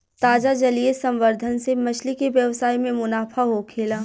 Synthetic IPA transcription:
t̪aːd͡ʒad͡ʒɐliesɐ̃mʋəɾd̪ʱənsemɐt͡ʃʰlikeʋjɐʋsaːimẽmʊnaːfʰaɦokʰeːlaː

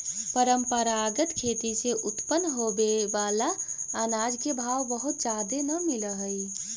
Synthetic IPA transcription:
pəɾəmpəɾaɡət̪kʰeːt̪iseʔut̪pənːɦobebalaːnad͡ʒkebʱawbəɦut̪d͡ʒad̪enəmiləɦəi

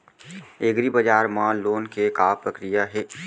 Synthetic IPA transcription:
eɡɾibɐd͡ʒaːɾmãloːnkekaːpɾɐkɾijaɦɛː

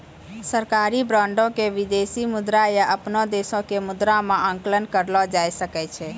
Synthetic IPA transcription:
səɾkaːɾibɾãːɳɖõkeʋɪd̪esimʊd̪ɾajaʔəpnɔd̪esõkemʊd̪ɾamãʔə̃ŋklənkəɾlɔd͡ʒaːjsəkɛt͡ʃʰe

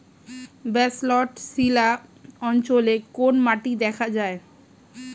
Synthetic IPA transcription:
bɛslɔʈsilaɔnt͡ɕolekonmaʈid̪ɛkʰad͡ʑae

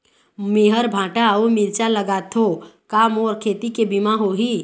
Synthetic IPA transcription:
meːɦəɾbʱãːʈaomɪɾt͡ʃaləɡaːt̪ʰokaːmoːɾkʰeːt̪ikebimãɦoɦiː

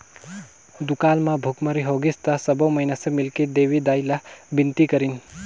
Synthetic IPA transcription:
d̪ukalmãbʱukməɾiɦoɡist̪asəbəwməinasʌ̃milkid̪eʋid̪ajlabint̪ikəɾin

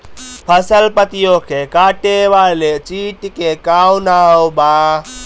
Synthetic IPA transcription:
pʰəsəlpət̪ijõkʰekaːʈeʋaːlet͡ʃiːʈkekaːwnaːobaː

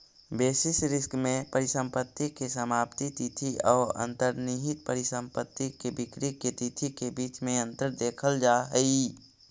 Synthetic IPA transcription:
beːsɪsɾɪskmẽpəɾɪsə̃mpət̪ːikesəmaːpt̪it̪it̪ʰiɔːɾə̰̃nt̪əɾniɦɪt̪̚pəɾɪsə̃mpət̪ːikebɪkɾiket̪it̪ʰikebiːt͡ʃmẽə̃nt̪əɾd̪eːkʰəld͡ʒaɦəi

